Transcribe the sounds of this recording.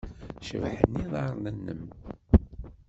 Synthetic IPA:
ʃə̰vħə̰nːiðˤɑɾˤlənːə̰m

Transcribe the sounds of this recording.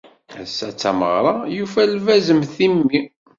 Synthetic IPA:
æsːæt͡sːæməʁɾˤɑjufælvæzəmθimːi

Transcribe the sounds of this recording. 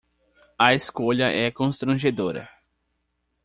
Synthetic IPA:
ɐeskoʎɐʔɛkõst̪ɾɐ̃ʒed̪oɾɐ̰

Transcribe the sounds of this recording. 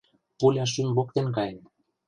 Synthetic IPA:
pulʲɑʃ̬ymβok̚t̪enkɑjen

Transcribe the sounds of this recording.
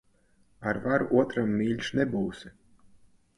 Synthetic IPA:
aɾvaɾuʔuɔt̪ɾamːiːʎʲʃnɛbuːsi

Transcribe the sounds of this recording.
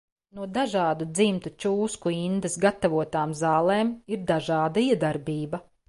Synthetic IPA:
nuɔd̪aʒɑːd̪ud̪zimt̪ut͡ʃuːskuind̪esɡat̪avuɔt̪aːmzɑːlˠeːmiɾd̪aʒɑːd̪aiɛd̪aɾbiːbɐ

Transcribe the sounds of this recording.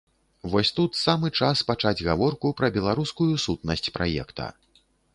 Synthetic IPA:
vɔsʲt̪ut̪samɨt͡ʂaspat͡ʂad͡zʲɣavɔrkupɾɐbʲɛlˠaɾuskujusut̪̚nɐsʲt͡sʲpɾa̰jɛ̰kt̪ɐ̰

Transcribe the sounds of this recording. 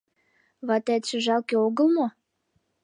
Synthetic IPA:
βɑt̪æt̪ʃĕʒɑlkeoɣəlmo

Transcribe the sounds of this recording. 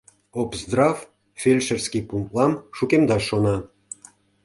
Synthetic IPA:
opzd̪rɑf | fʲelʲʃərskʲipuŋt̪lɑmʃukemd̪ɑʃonɑ

